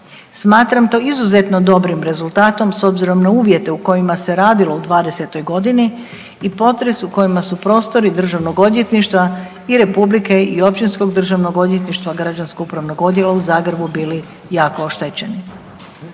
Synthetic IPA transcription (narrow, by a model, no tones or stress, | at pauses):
smaːt̪ɾamt̪o̞ːizuze̞t̪no̞d̪o̞bɾimɾe̞zulˠt̪aːt̪o̞mso̞bziɾo̞mnauːʋje̞t̪e̞uko̞jimase̞ɾaːd̪ilo̞ud̪ʋaːd̪e̞se̞t̪o̞jɡo̞d̪iniː | po̞t̪ɾe̞suko̞jimasupɾo̞ːst̪o̞ɾid̪r̩ʒaʋno̞ɡo̞d̪jet̪niʃt̪ʋa | iɾe̞publike̞io̞p̚t͡ɕinsko̞ɡd̪r̩ʒaʋnoɡo̞d̪jet̪niʃt̪ʋaɡɾad͡ʒanskoupɾaʋnoɡo̞d̪jelˠauzaːɡɾebubiːli | jaːko̞oʃt̪et͡ɕe̞ni